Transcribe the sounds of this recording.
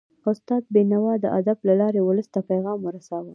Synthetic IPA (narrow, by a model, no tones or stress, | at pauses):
ʊst̪ɑd̪̚benawɑd̪ə̰ʔad̪ablalɑɾewʊləst̪apajɣɑmwəɾasawəl